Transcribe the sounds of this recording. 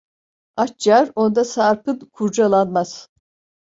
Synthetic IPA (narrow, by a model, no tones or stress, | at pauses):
at͡ʃd͡ʒaɾo̞nd̪asaɾpɯnkʰuɾd͡ʒalˠanmaz̥